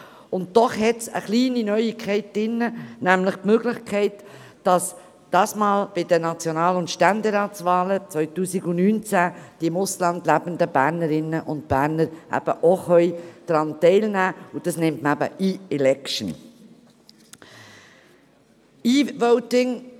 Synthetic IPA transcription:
ʊntdɔχɦɛtsə̰χliːninœʏikʰχɛɪt̚d̥ɪnːənæmləχpmøːɡlɪχkʰɛɪt | d̥ɑs | d̥ɑːsmɑːlb̥ɪd̥ənɑt͡sjonɑːlʊntʃtænd̪ɛɾɑːtsvɑːlət͡sʋœʏtuːsiɡʊnyːnt͡sæd̥iɪmʊslɑnd̪læb̥ənd̪əb̥æːɾnəɾɪnːəʔʊntb̥æːɾnəɾʔæ̰b̥əʔoχœjd̥ɾɑntɛɪlnæːud̥ɑsnɪmtməæbə̰ʔiːɛlɛkʃn̩ | iːvɔʊtɪŋ

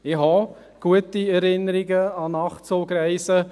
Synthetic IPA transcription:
ɪhɑ | ɡ̥uətiɛɾɪnːəɾiɡəɑnɑχt͡soːɡɾɛɪsə

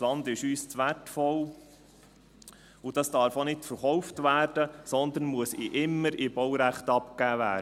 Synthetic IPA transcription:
lɑnd̪ɪʃyːst͡sʋætfɔl | ud̥ɑsd̥ɑɾfonɪtfəɾχɔwftvæːɾd̥əsɔnd̪ən̩muəsɪʔɪmːəɾɪb̥ɔwɾæχtɑpkæːvæː

